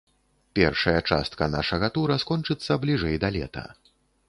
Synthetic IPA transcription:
pʲɛrʂɐjɐt͡ʂa̰st̪kɐnaʂɐɣɐt̪uɾɐskɔnt͡ʂɨt̪sːɐblʲiʐɛjd̪ɐlʲɛ̰t̪ɐ̰

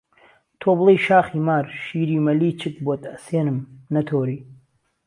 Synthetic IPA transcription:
t̪ʰoːblˠejʃaːχiːmaːɾʃiːɾiːmɐliːt͡ʃʰɨk̚bot̪ʼɐseːnɨmnɐt̪ʰoːɾiː

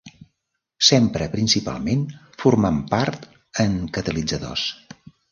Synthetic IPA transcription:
sempɾəpɾinsipa̰lˠmen | furmampaɾt̪ | əŋkət̪əlid͡zəðo̰s

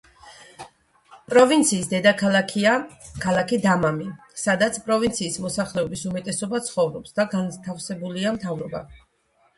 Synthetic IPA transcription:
pʼɾɔvint̪sʰiːsd̪ɛd̪akʰalaakʰalˠakʰid̪amami | sad̪at̪sʰpʼɾɔvint̪sʰiːsmɔsaχlɛɔbisumɛt̪ʼɛsɔbat̪sʰχɔvɾɔpsd̪aɡant̪ʰafsɛbuliamt̪ʰavɾɔba̰

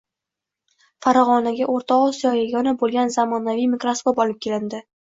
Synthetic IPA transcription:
faɾɒʁɒnaɡʲaʔoɾt̪ʰɒqosijɒjeɡʲɒnabolˠɡʲanzamɒnavijmɪkɾaspobɒlɪp̚kʲʰe̞lɪnd̪ɪ

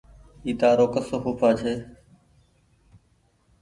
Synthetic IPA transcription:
iːt̪aːɾoːkəsoːɦuːpʰaːt͡ʃʰeː

